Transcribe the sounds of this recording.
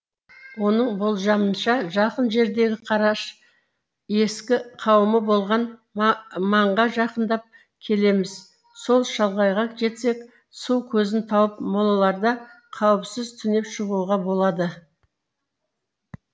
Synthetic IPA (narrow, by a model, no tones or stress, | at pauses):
wo̞nəɴbolˠʒɑmənʃɑʒɑqənʒe̞ɾd̪e̞ɡʲɪqʰɑɾɑʃ | e̞skʲɪqʰɑwəməbo̞lˠʁɑn | mɑɴʁɑʒɑqənd̪ɑp̚ | kʲʰe̞le̞mɪz | so̞lˠʃɑlˠʁɑjʁɑqʒe̞t̪se̞kʲ | suwkʲʰɵzɪnt̪ʰɑwəpmolˠɑlˠɑɾd̪ɑ | qʰɑwəpsɪzt̪ʰʏne̞pʃəʁuʁɑbo̞lˠɑd̪ə